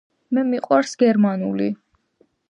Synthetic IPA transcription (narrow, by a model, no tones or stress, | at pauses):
mɛmiqʼwaɾsɡɛɾmanṵli